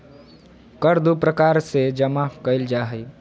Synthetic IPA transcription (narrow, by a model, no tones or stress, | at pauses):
kəɾd̪upɾəkaːɾsed͡ʒəmakəɪld͡ʒaːɦəj